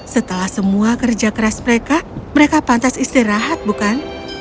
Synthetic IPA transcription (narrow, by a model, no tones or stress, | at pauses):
sət̪əlahsəmuakərd͡ʒakəɾasməɾekaməɾekapant̪asist̪iɾaɦat̪̚bukan